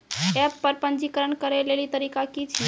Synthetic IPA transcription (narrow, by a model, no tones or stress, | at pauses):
ɛpːəɾpənd͡ʒikəɾəɳkəɾelelit̪əɾikakit͡ʃʰi